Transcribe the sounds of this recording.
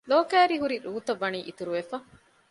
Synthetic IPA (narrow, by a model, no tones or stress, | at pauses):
loːkæːɾiɦuɾiɾuːt̪ɐʋːɐniːʔit̪uɾuʋefɐ